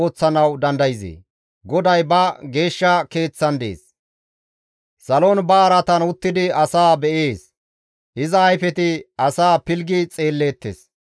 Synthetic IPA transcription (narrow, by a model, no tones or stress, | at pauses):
oːt͡sːɐnɐwd̪ɐnd̪ɐjzḛː | ɡɔd̪ɐjbɐɡe̞ːʃːɐke̞ːt͡sːɐnd̪e̞̰ːs | sɐloːnbɐːɾɐt̪ɐnʊt̪ːɪd̪ɪɐsaːbɛʔeːs | ʔɪzɐːjfɛt̪ɪɐsaːpɪlɡɪt͡sʼe̞ːlːe̞ːt̪ːḛs